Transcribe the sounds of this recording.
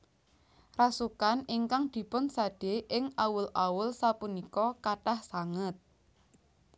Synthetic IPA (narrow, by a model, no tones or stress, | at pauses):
rasukaniŋkaŋd̪̥i̤pʊnsaɖ̥eʔɪŋʔawʊlʔawʊlsapunikɔkaʈahsaŋət̪̚